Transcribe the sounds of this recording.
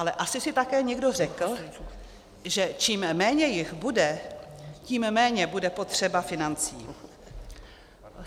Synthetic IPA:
ʔalɛʔasɪsɪt̪akɛːɲɛɡdo̞rɛkl̩ | ʒɛt͡ʃiːmmɛːɲɛjɪxbudɛ | ciːmmɛːɲɛbudɛpo̞t̪r̝̥ɛbafɪnant͡siː

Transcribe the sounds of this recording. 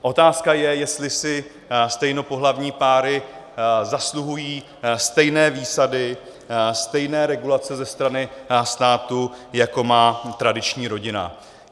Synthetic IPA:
ʔo̞t̪aːskajɛjɛst̪lɪsɪ | st̪ɛjno̞po̞ɦlavɲiːpaːɾɪzasluɦujiː | st̪ɛjnɛːviːsadɪ | st̪ɛjnɛːɾɛɡulat͡sɛzɛst̪ɾanɪst̪aːt̪ujako̞maːt̪ɾadɪt͡ʃɲiːɾo̞ɟɪna̰

